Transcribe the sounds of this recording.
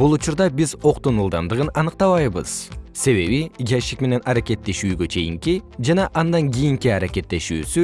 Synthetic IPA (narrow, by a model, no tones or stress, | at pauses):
b̥ulˠut͡ʃuɾd̪ɑbizo̞qt̪unulˠd̪ɑnd̪ɯʁɯnɑnɯq̚t̪ɑβɑjβɯz̥se̞βe̞βiɡʲiaʃikme̞ne̞nʔɑɾakʲe̞t̪ːe̞ʃyːɡø̞t͡ʃʰe̞jiŋkid͡ʒɑnɑʔɑnd̪ɑŋɡʲijiŋkiɑɾakʲe̞t̪ːe̞ʃyːsy